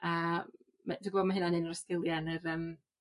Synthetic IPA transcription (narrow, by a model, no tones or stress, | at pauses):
a | mad̥uɡboːdmaɦɨnanɨnəɾəskɪlˠjanərəm